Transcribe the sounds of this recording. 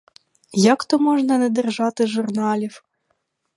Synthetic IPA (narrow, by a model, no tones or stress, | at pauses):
jakt̪ɔmɔʒnɐnɛd̪ɛrʒɑt̪ɪʒʊrnɑlʲiw